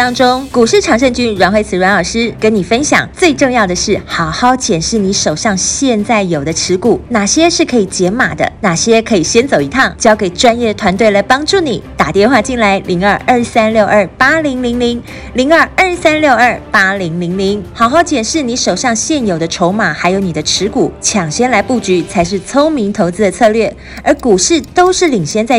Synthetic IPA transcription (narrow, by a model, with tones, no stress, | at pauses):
ɑ˥ŋʈ͡ʂo˥ŋku˨˩ʂɻ̩˥˩ʈ͡ʂʰɑ˧˥ŋʂ̬ə˥˧ŋt͡ɕy˥nɻa˧˥nxwe˥˩ɪt͡s̩ʰ˨˩ɻwa˧˥nɑ˨˩ʂɻ̩˥ke˧˥ɪni˨˩fə˥nɕjɑ̰˨˩˦ŋt͡swe˥˧ɪʈ͡ʂŋjɑ˥˩ʊd̪ə˩ʂɻ̩˥˩xɑ˨˩ʊxɑ˥˩ʊt͡ɕjɛ˨˩nʂɻ̩˥˩ni˧˥ʂo˨˩ʊʂɑ˥˧ŋɕjɛ˥˧nt͡sa˥˩ɪjo˨˩d̪ə˦ʈ͡ʂʰɻ̩˧˥ku˨˩˦na˨˩ɕjɛ˥ʂɻ̩˥˩kʰɤ˧˥i˨˩t͡ɕjɛ˧˥ma˨˩d̪ə̰˦na˨˩ɕjɛ˥kʰɤ˧˥i˨˩ɕjɛ˥nt͡so˨˩ʊi˧˥t̪ʰɑ˥˩ŋt͡ɕjɑ˥ʊke˨˩ɪʈ͡ʂwa˥njɛ˥˩d̪ə˩t̪ʰwa˧˥nt̪we˥˩ɪla˧˥ɪpɑ˥ŋʈ͡ʂu˥˩ni˨˩t̪a˨˩t̪jɛ˥˧nxwa˥˧t͡ɕi˥˩nla˧˥ɪli˧˥ŋə˞˥˧ə˞˥˩sa˥nljo˥˧ʊʔə˥˩pa˥li˧˥ŋli˧˥ŋli˧˥ŋ | li˧˥ŋə˞˥˧ə˥˩sa˥nljo˥˧ʊə˞˥˩pa˥li˧˥ŋli˧˥ŋli˧˥ŋxɑ˨˩ʊxɑ˥˩ʊt͡ɕjɛ˨˩nʂɻ̩˥˩ni˧˥ʂo˨˩ʊɕɑ˥˧ŋɕjɛ˥˩njo˨˩ʊd̪ə˦ʈ͡ʂʰo˧˥ʊma˨˩xa˧˥ɪjo˧˥ʊni˨˩d̪ə˦ʈ͡ʂʰɻ̩˧˥ku˨˩˦t͡ɕʰjɑ˨˩ŋɕjɛ˥nla˧˥ɪpu˥˩t͡ɕy˧˥t͡sʰa˧˥ɪʂ̬ɻ̩˥˩t͡sʰo˥ʊmi˧˥ŋt̪ʰo˧˥ʊt͡sɹ̩˥d̪ə˨t͡sʰɤ˥˧lɥɛ˥˩ | ə˞˧˥ku˨˩ʂɻ̩˥˩t̪o˥ʊʂɻ̩˥˩li˨˩ŋɕjɛ˥nt͡sa˥˧ɪ